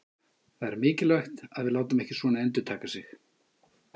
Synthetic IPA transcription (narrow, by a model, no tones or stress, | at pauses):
θaðɛɾmɪːcɪlœɥxt̪aðvɪðlaːwt̪amɛhcɪsvɔːnaɛnt̪̬ʏt̪ʰaːkasɪx